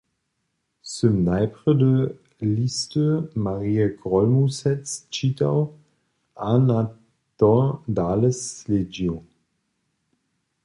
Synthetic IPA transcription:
səmnaɪpʁədə | listəmaʁiːɛɡʁɔlmusɛt͡st͡ʃitaw | ʔana | tɔdaːləsled͡ʒiw

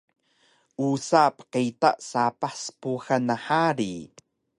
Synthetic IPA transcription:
ʔusapə̥qitaʔsapaspuxanːaħaɾi

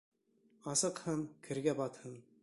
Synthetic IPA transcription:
ɑsɤ̆qhɤnkʰɘ̆ɾɡæbɑt̪hɤn

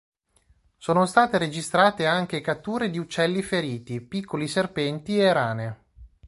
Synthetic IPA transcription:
soːnost̪aːt̪eɾed͡ʒist̪ɾaːt̪eaŋk̟ekat̪ːuːɾed̪iut͡ʃːɛlːifeɾiːt̪ipikʰːoliserpɛnt̪ieɾaːne

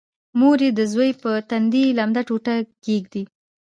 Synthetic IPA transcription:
moɾed̪əzwəjpət̪and̪ilamd̪aʈoʈaɡeɡd̪i

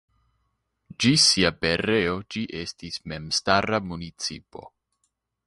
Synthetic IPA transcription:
d͡ʒisiape̞ɾeo̞d͡ʒiʔe̞stisme̞mstaɾamunit͡sḭpo̞̰

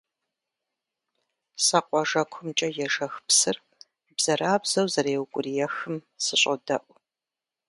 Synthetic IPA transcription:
sɐqʷʼɔʒɐkʷʰʊmt͡ʃʼɐjɛʒɐxpsɨr | bz̥ɐraːbz̥ɐwzɐreːwkʷʼʊrijɛxɨm | sɨɕʼɐdɐʔʷ

